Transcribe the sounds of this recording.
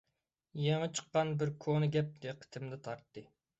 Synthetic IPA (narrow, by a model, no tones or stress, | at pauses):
jeŋət͡ʃʰə̥qːɑnbɪɾkʰonɨɡʲɛp̚d̪̥eqʰə̥t̪ʰɪmd̪ɛt̪ʰɑɾt̪ːɨ